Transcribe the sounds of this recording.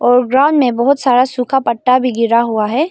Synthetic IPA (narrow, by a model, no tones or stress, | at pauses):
ɔːɾɡɾaːʊɳɖmẽbɐɦʊt̪saːɾasuːkʰapɐʈːabʱiɡɪɾaɦuaɦɛː